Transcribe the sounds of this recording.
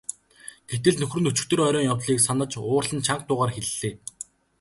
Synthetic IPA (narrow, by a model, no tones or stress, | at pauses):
ɡ̥et̪ɘ̆ɮnɵxrɵ̆nɵt͡ɕɪ̆k̚t̪ɵ̆rœɾʲɔːŋjawɮiːksanə̆t͡ɕʊːrɮə̆nt͡ɕʰaŋk̚t̪ʊːʁaːrxeɮɮeː